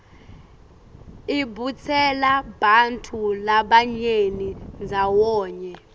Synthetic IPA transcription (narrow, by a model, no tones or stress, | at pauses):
ibut͡sʰɛlaɓantʰulaɓaɲenind͡zʱawɔːɲɛ